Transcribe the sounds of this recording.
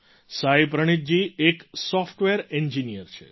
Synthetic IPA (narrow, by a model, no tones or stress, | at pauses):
saipɾəɳ̃it̪̚d͡ʒieksɔfʈʋeɾeɲd͡ʒinijəɾt͡ʃʰḛ